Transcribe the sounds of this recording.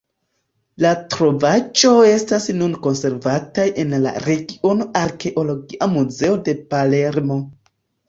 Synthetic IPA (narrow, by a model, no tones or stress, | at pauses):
latɾo̞vad͡ʒo̞e̞stasnunko̞nse̞ɾvatajʔe̞nla̰ɾe̞ɡio̞no̞ʔaɾke̞ʔo̞lo̞ɡiʔamuze̞ode̞pale̞ɾmo̞